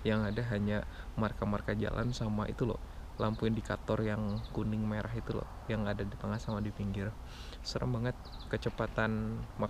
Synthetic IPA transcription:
jaŋadaɦaɲa | markamarkad͡ʒa̰lʔa̰nsamaʔḭt̪ulɔ̰hlampundikat̪ɔrjaŋkunɪŋmaeɾʔaɦit̪ulɔ̰hjaŋadadipaŋasamadipiŋɡɪr | səɾa̰ŋbaŋət̪̚kət͡ʃəpat̪anma

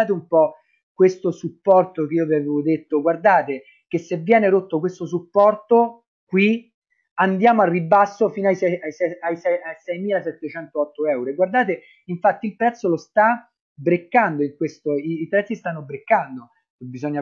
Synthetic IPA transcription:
aːt̪̬eumpɔ | kwest̪osupːɔrt̪okeiːoavaveod̪et̪ːoɡward̪aːt̪e | kesːevːjɛːneɾot̪ːokwest̪os̬upːɔrt̪o | kwi | and̪jaːmoarːibːasːofiːnoajsɛasɛajsɛasɛjmiːlasɛt̪ːet͡ʃɛnt̪oɔt̪ːoɛwɾoeɡward̪aːt̪̬e | iɱfat̪ːilpɾɛt̪sːolost̪a | bɾekːand̪oiŋkwest̪oiːpɾɛt̪sːist̪anːobɾekːand̪o | kebizɔɲːa

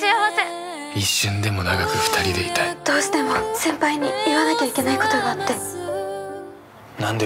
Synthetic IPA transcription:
iaβase | iɕːɨ̃nd̪e̞mo̞naɡakɯɸɯ̥t̪ʰaɾʲid̪e̞it̪aid̪̥o̞ːɕi̥t̪e̞mo̞sẽ̞mpaiɲ̟iiβanakʲaikʲe̞naiko̞t̪o̞ɡaːt̪ːe̞ | nãnd̪e

